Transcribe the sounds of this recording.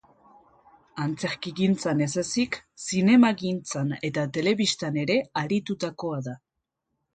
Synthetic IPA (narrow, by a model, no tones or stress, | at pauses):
ant͡se̞ɾkiɣint͡sane̞sesiksine̞maɣint͡sane̞t̪at̪e̞le̞βist̪ane̞ɾe̞aɾit̪ut̪ako̞aða